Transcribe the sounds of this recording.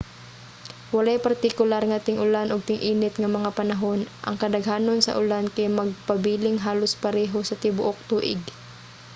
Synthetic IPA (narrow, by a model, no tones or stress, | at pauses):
wɐlajpɐɾt̪ɪkʊlaɾŋat̪ɪŋʔʊlanʔoɡ̚t̪ɪŋʔiːnɪt̪ŋɐmɐŋapɐnɐɦo̞nʔɐ̰ŋkɐd̪ɐɡhaːnonsɐ̰ʔʊlankɐjmɐɡ̚pɐbiːlɪŋɦaːlospɐɾɛːɦosɐt̪ɪbʊʔok̚t̪uːʔɪɡ